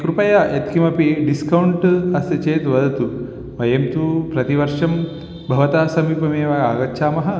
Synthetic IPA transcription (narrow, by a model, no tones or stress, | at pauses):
kɾupɐjaʔet̪kimɐpiɖiskɐwɳʈɐst̪ɐt͡ʃeːt̪ʋɐd̪ʱɐt̪u | ʋɐjemt̪upɾɐt̪iʋɐɾʂɐm | bʱɐʋɐt̪aːsɐmiːpɐmeːʋɐaːɡɐtːʃʰaːmɐɦɐ̆